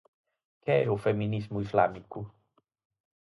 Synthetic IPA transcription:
kɛɛufeminizmuizla̰miku

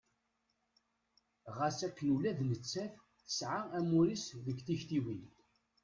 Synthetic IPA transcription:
ʁæsækːənulæðnət͡sːæf | θə̥sʕaæmuɾisðəɡθiçt̪iwin

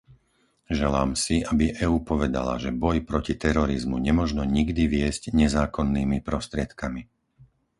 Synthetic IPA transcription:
ʒɛlaːmsiʔabiʔɛuːpɔʋɛd̪a̰la̰ʒɛbɔjpɾɔcit̪ɛɾɔɾizmuɲɛmɔʒnɔɲiɡd̪iʋɪɛzɟɲɛzaːkɔnːiːmipɾɔst̪ɾɪɛt̪kami

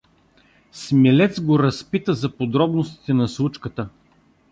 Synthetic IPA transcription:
smɛlɛt̪sɡoɾɐspit̪əzɐpod̪ɾɔbnost̪i̥t̪ɛnɐslˠut͡ʃkət̪ə

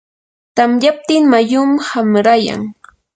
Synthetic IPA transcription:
t̪amʎap̚t̪ɪŋmajʊmhamɾaja̰ŋ

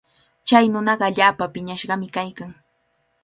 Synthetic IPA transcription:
t͡ʃajnʊnɑɢɑaʎaːpapɪɲaʃɢɑmɪkajkaŋ

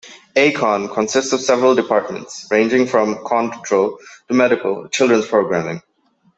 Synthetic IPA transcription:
ekʰɔ̃nkʰə̃nsɪstsɔv̥sɛvəɹəlɖɪpʰaɹʈ̚mə̰̃nʈsɹẽɪ̃nd͡ʒɪ̃ŋfɹɔ̃mkʰɔ̃nttʰɹolˠʈumɛɾɪkə̰lˠt͡ʃɪldɹə̃nzpʰɹoʊɡɹæmɪ̃ŋ

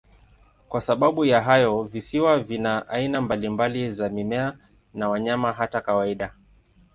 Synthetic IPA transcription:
kwasaɓaɓujaɦajɔvisiwavinaʔainambalimbalizamimɛa | nawaɲamaɦatakawaiɗa

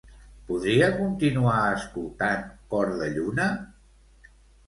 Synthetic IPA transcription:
puðɾiəkunt̪inuaəskulˠt̪aŋkɔɾðəʎunə

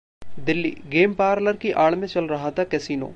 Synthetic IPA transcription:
d̪ɪlːḭːɡeːmpaːɾləɾkiʔaːɭmẽt͡ʃɐlɾɐɦat̪ʰakɛsiːno̰ː

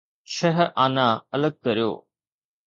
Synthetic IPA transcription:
t͡ʃʰɐɦʔaːnaɐləɡ̚kɐɾijo̰ː

